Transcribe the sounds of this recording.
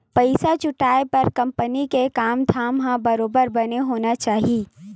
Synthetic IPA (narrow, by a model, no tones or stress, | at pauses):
pɐɪsat͡ʃʊʈaːepɐɾkɐ̃mpənikekaːmd̪ʱaːmɦãbɐɾoːbəɾbɐneɦoːnat͡ʃaːɦieː